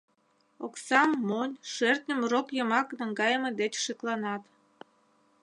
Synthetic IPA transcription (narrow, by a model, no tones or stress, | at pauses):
oksɑmːonʲʃert̪nʲəmrokjəmɑknəŋɡɑjəməd̪et͡ɕʃiklɑnɑt̪